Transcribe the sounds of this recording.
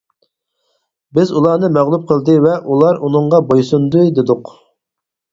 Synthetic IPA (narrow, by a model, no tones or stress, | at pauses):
bɪzulˠɑːnɨmæʁlˠup̚qʰəlˠd̪ɨvɛʔulˠɑɾunɨɴʁɑbojsund̪ujd̪ɪd̪ʊq